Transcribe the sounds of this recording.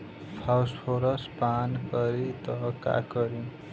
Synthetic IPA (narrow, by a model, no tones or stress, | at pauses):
pʰawspʰoɾʌspankʌɾit̪ʌka̰kʌɾi